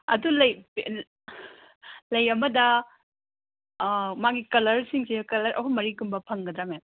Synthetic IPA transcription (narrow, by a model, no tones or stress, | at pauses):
ɐ̰dulɐjpe | lɐjɐmɐdɐ | maɡikɐlɐɾsiŋsekɐlɐɾʔɐ̰kʰumɐɾiɡumbɐpʰɐŋɡɐdɾamen